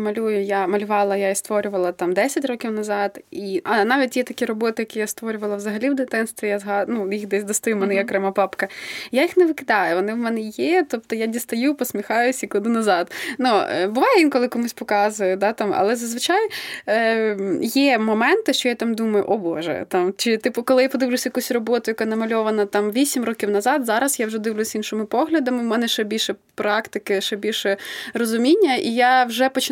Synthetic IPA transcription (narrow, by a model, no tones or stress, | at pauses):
mɐlʲujʊjamɐlʲʊʋɑlˠɐjaist̪ʋɔɾʲʊʋɐlˠɐt̪ɑmd̪ɛsʲɐtʲrɔkʲiwnɐzɑd̪iʔɐnɑʋʲit̚ʲjɛt̪ɐkʲiɾɔbɔt̪ɪjɐkʲijast̪ʋɔɾʲʊʋɐlˠɐʋzɐɦɐlʲiwd̪ɪt̪ɪnst̪ʋʲijazɦɑnujixd̪ɛsʲd̪ɔst̪ɐjumɛnɛjɐkɾɛmɑpɑpkɐjajixnɛʋɪkɪd̪ɑjʊʋɔnɪwmɛnɛjɛt̪ɔp̚t̪ɔjadʲist̪ɐjupɔsʲmʲixɑjʊsʲikʊd̪ˠɪnɐzɑd̪nubʊʋɑjɛʋinkɔlˠɪkɔmusʲpɔkɑzʊjɛd̪ɑt̪ɑmɐ̰lˠɛzɐzʋɪt͡ʃaj | jɛmɔmɛnt̪ɪʃt͡ʃɔjat̪ɑmd̪umɐjʊ̰ʔɔbɔʒɛ̰t̪ɑmt͡ʃɪt̪ipʊkɔlˠɪjapɔd̪ɪʋlʲʊsʲɐjɐkusʲrɔbɔt̪ʊjɐkanɐmɐlʲɔʋɐnɐt̪ɑmʋʲisʲimrɔkʲiwnɐzɑd̪zɑɾɐsjawʒɛd̪ɪʋlʲʊsʲinʃɪmɪpɔɦlʲɐd̪ɐmɪwmɛnɛʃt͡ʃɛbʲilʲʃɛpɾɑkt̪ɪkɪʃɛbʲilʲʃɛrɔzʊmʲinʲːɐʔijawʒɛpɔt͡ʃ